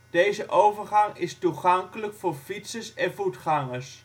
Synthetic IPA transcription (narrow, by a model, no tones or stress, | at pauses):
d̥ejzəʔowvəɹχɑŋɪstuχɑŋkələkfʊːɹfitsəsɛnvutχɑŋəs